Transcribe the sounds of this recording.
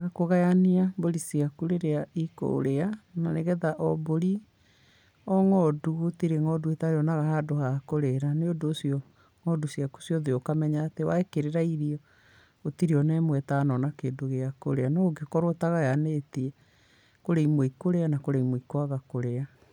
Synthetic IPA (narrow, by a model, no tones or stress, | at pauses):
ɣakoɣajaniaboɾisiakuɾeɾeaiko̰ɾeananeɣɛðaʔɔboɾi | ɔŋɔduotiɾeŋɔduetaɾeɔnaɣahadohakoɾeɾaneodoːsiɔ | ŋɔdusiaku̥sjɔðeɔkamɛɲaːtewaekeɾeɾaiɾiɔ | otiɾeɔnɛmwɛtanɔnakeːndoɣeako̰ɾeanɔoɡekɔɾotaɣajanetiɛ | koɾeimwoikoɾeanakoɾeimoikwaɣakoɾea